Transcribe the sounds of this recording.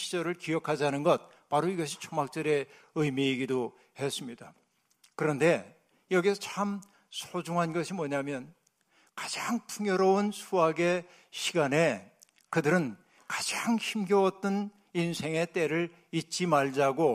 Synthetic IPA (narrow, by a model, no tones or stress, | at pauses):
ɕʰid͡ʑʌɾɯɭkijʌkʰad͡ʑanɯnɡʌt̚ | paɾoiɡʌɕʰi̥t͡ɕʰomak̚t͡ɕ͈ʌɾe̞ | ɯjmiːɡido | he̞s͈ɯmɲida | kɯɾʌnde̞ | jʌɡisʰʌt͡ɕʰam | sʰod͡ʑuŋɦanɡʌɕʰimwʌɲamjʌn | kḁd͡ʑaŋpʰuŋjʌɾounsʰuaɡe̞ | ɕʰiɡane̞ | kɯdɯɾɯn | kḁd͡ʑaŋçimɡjʌwʌt͈ɯn | insʰe̞ŋe̞t͈e̞ɾɯɭ | it̚t͡ɕ͈imaɭd͡ʑaɡo